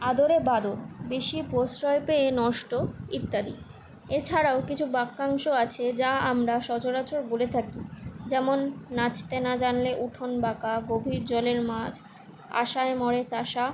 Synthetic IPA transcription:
ad̪oɾebad̪obeʃiposɾɔepeenɔʃʈoit̪ːad̪ḭ | et͡ɕʰaɾaokit͡ɕʰubakːaŋʃoat͡ɕʰed͡ʑaamɾaʃɔd͡ʑoɾat͡ɕoɾbolet̪ʰakid͡ʑɛmonːat͡ɕʰt̪enad͡ʑanleʔuʈʰonbakaɡobʱiɾd͡ʑɔleɾmad͡ʑ | a̰ʃaemɔɾet͡ɕaʃa

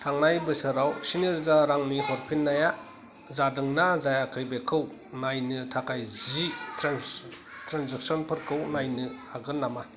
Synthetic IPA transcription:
tʰaŋnajbɯsɯɾawsiniɾzaɾaŋnihɔɾpʰinːaja | zadɯŋnazajakʰɯjbekʰɯw | najnɯtʰakajzitʰɾan | tʰɾanzak̚sɔnpʰɯɾkʰɯwnajnɯaɡɯnːama

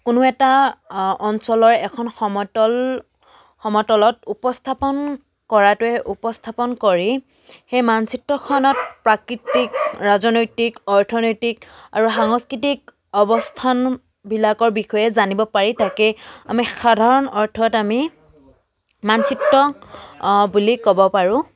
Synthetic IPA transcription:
kʊnʊɛta | ɔnsɔlɔɹɛkʰɔnxɔmɔtɔl | xɔmɔtɔlɔtupɔstʰapɔn | kɔɹatʊɛʔupɔstʰapɔnkɔɹi | xejmansitːɔkʰɔnɔt̚pɹakɹitikɹazɔnojtikɔɹtʰɔnɔjtikaɹuxaŋɔskɹitik | ɔbɔstʰan | bilakɔɹbixɔjɛzanibɔpaɹitakɛa̰mixadʱaɹɔnɔɹtʰɔtami | mansitːɔ | bulikɔbɔpaɹʊ̃

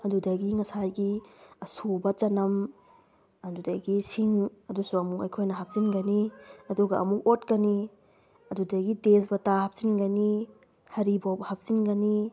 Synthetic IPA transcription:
ɐdudɐɡiŋɐsajɡiɐsubɐt͡ʃɐnɐm | ɐdudɐjɡisiŋɐdusuɐmukɐjkʰojnɐɦap̚zinɡɐniɐduɡɐʔɐ̰muk̚otkɐni | ɐdudɐɡites̬bɐtahap̚zinɡɐni | hɐɾibawbɐhap̚z̥inɡɐni

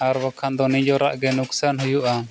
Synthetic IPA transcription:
aɾbɔkʰand̪ɔnid͡ʒɔɾaʔɡɛnuksanɦujuʔa

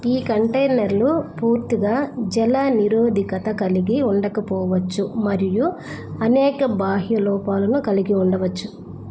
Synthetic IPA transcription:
iːkɐɳʈɐjnɐɾlupuːɾt̪iɡaːd͡ʒɛlɐniɾoːd̪ʱikɐt̪ɐkɐliɡiuɳɖɐkɐpɔːʋɐt͡ʃːumɐɾiju | ɐnɛːkɐbaːɦjɐlɔːpaːlɐnukɐliɡiuɳɖɐʋɐt͡ʃːu

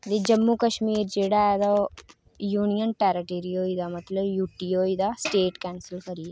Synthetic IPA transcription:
d̪id͡ʒɐmːukɐʃmiːɾd͡ʒeːɽaɛd̪o | juːnijənʈɛːɾɐʈeːɾijoːid̪amɐt̪ləbjuːʈiːoːid̪asʈeːʈkɛːnsɪlkɐɾiɛ

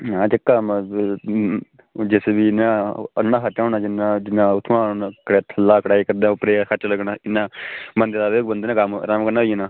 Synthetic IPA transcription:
ãːt͡ʃəkːaːm | d͡ʒɪsbiːɪnãːə̰nːãːɦət͡ʃaːnaːd͡ʒɪnãd͡ʒɪnːãːʊt̪ʰːaːnaːkəɽet̪ʰəlːaːkəɽaːiːkəɾd̪ẽopɾeːkət͡ʃləɡnaːɪnːãːbənd̪eːd̪aːʋeːkbənd̪eːnãːkəmɾamkəɾnaːɦienaː

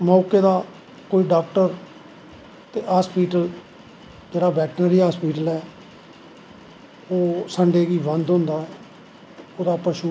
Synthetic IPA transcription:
maːkeːd̪aː | koːiːɖaːkʈəɾ | t̪eːɦaːspiːʈəl | d͡ʒeːɽaːbɛːʈnəɾiːaːspiːʈəlɛː | oːsəɳɖeːɡiːbənd̪ɦʊ̃nd̪aːɛː | oːd̪aːpəʃuː

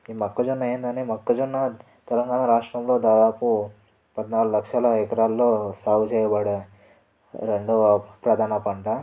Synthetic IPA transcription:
iːmɐkːɐd͡ʒunːɐeːnd̪ɐneːmɐkːɐd͡ʒunːɐ | t̪ɛlɐŋɡaːnaɾaːʂʈɾɐmlo̞ːd̪aːd̪aːpu | pɐd̪naːlulɐkʂɐlɐɛkɐɾaːllo̞ːsaːwut͡ʃɛːjɐbɐɽe | ɾeɳɖupɾɐd̪ʱaːnɐpɐɳʈɐ

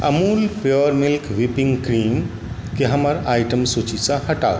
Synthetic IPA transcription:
ə̰mulpɾoəɾmilkʋipiŋɡkɾim | keɦəməɾajʈəmsut͡ʃisə̃həʈao

